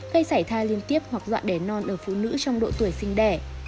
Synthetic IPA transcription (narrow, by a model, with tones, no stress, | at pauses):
ɣə˧jsaː˧˩jt̪ʰaː˧jli˧ənt̪i˦˥əp̚hwa˨˩k̚zwa̰ː˧˨nɗe˨˧˩nɔ˧nʔəː˧˩fṵ˧˨nɨ̰˧˥t͡ɕɔ˧wŋ͡mɗo̰˧˨t̪u˧˩əjsï˧ŋ̟ɗɛ˧˩